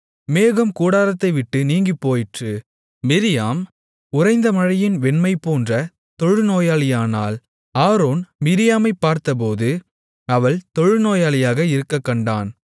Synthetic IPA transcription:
meːɣɐmkuːɽaːɾɐt̪ːɐɪʋɪʈːɯniːŋɡɪpːoːjɪʈrɯ | mɪɾɪjaːm | ʊrɐɪnd̪ɐmɐɻɐjɪnʋɛnmɐɪpoːndrɐ | t̪ɔɻɯnoːjaːlɪjaːna̰ːl | aːɾoːnmɪɾɪjaːmɐɪpːaːɾt̪ɐp̬oːðɯ | ɐʋɐɭt̪ɔɻɯnoːjaːlɪjaːɣɐɪɾɯkːɐkːɐɳɖaːn

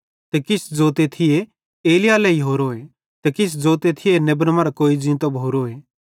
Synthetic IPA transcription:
t̪ɛkɪsd͡zoːt̪et̪ʰɪje | eːlɪjalɛiɦoːɾoːe | t̪ɛkɪs̬d͡zoːt̪et̪ʰɪjenebɾmaːɾakoːid͡zɪ̃ːnt̪obʱoːɾoːe

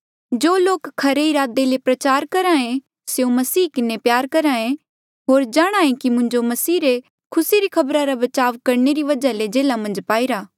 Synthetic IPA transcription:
d͡ʒoːloːkkʰɐɾeiɾaːd̪elepɾɐt͡ʃaːɾkɐɾaːẽ | seũmɐsiːkɪnepjaːɾkɐɾaːẽ | ɦoːɾd͡ʒaːɽ̃aːẽkimʊ̃ɲd͡ʒomɐsiːɾe | kʰʊsiɾikʰɐbɾaɾabɐt͡ʃaːʋkɐɾneɾiʋɐd͡ʒaled͡ʒeːlamɐ̃nd͡ʒpaːiɾaː

